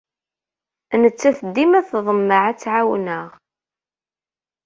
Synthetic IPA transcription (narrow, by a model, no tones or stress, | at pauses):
nət͡sːæθəd̪ːimæθðˤəmːəʕat͡sːʕawnəʁ